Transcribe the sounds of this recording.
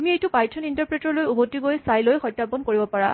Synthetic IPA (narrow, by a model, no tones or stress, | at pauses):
miejtʊpajtʰɔnintaɹpɹɛtɔɹlojubotːiɡojsajlojxɔjtːapɔnkoɹibɔpaɹa̰